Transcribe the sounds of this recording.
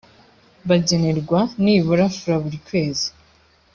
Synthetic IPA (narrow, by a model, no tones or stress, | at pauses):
βaɟe̞ne̞ɾɡwaniβuɾafuɾaβuɾikwe̞ːzi̥